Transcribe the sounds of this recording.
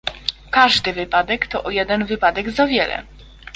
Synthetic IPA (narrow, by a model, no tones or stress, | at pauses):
kaʐd̪ɘvɘpad̪ɛkt̪ɔʔɔjɛd̪ɛnvɘpad̪ɛɡzavʲjɛlɛ̰